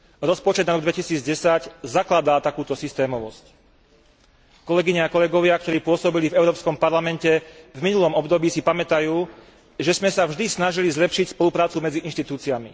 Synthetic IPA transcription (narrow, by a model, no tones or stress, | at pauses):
ɾɔspɔt͡ʃɛd̪naɾɔɡ̚d̪ʋɛcisiːd͡zɟɛsaczaklad̪aːt̪akuːt̪ɔsist̪ɛːmɔʋɔsc | kɔlɛɡiɲɛakɔlɛɡɔʋɪak̚t̪ɔɾiːpʊɔsɔbilivɛʊɾɔːpskɔmpaɾlamɛncɛvminulɔmɔbd̪ɔbiːsipamɛt̪ajuː | ʒɛzmɛsavʒd̪isnaʒilizlɛpʃicspɔlupɾaːt͡sumɛd͡ziʔinʃt̪it̪uːt͡siamḭ